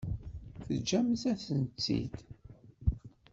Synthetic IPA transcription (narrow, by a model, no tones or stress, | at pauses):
θəd͡ʒːæmθæθənt͡sːḭd̪